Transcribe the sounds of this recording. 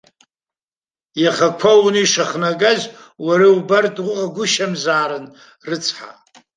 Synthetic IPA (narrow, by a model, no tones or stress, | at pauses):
jaχakʷʰawnɨiʂaχnakʼazwaɾawbartʼaɡʷʊʃamzaːɾɨn | rɨt͡sʰħa̰